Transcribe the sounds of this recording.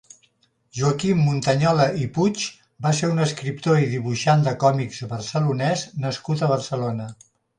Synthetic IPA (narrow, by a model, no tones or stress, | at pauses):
ʒuəkimːunt̪əɲɔləiput͡ʃ | baseɾunəskɾip̚t̪oiðiβuʃand̪əkɔmikzβərsəlunɛznəskut̪əβ̞ərsəlonə